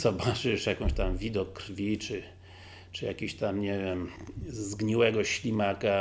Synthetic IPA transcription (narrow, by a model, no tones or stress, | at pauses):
z̥ɔbat͡ʂɨʂjakɔ̃w̃ɕt̪amvʲid̪ɔkːrfʲit͡ʂɨ | t͡ʂɨja̰kʲiɕt̪amɲɛvʲɛmzɡɲiwɛɡɔɕlʲimaka